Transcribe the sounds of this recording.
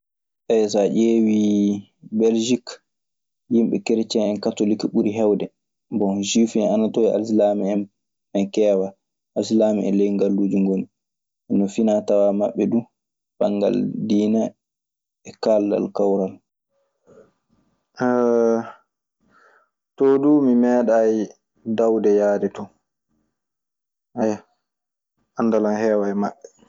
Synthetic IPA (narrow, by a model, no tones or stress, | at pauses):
ɓɛs̬aʔeːwi | bɛld͡ʒik | jimɓɛ̰kɛɾt͡ʃɛɛnkatolikiɓuɾiɦɛwdɛ | bɔd͡ʒifɛnanatoia̰ls̬lamɛ | ɛnkɛːwa | ʔalslaːmɛɛ̰lɛjŋɡalːuːd͡ʒiŋɡoni | ʔɛnːɔfinatawamaɓːɛdu | b̥a̰ŋɡa̰ldiːna | ɛkalda̰lkawɾal | tɔdumimɛːɗai | dawdɛjaːdɛtɔ | ʔaja | anːdalanhɛːwajmaɓːɛ